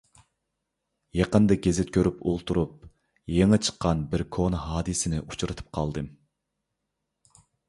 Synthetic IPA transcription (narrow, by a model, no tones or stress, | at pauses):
jɑqənd̪ɨɡʲezɪt̪̚kʲʰøɾypʰolˠt̪ʰuɾup̚ | jeŋɨt͡ʃʰə̥qʰːɑnbɪɾkʰonhɑːd̪ɨsɪnɪʔut͡ʃʰɾɨt̪ʰɨ̥p̚qʰɑ̰lˠd̪ɨm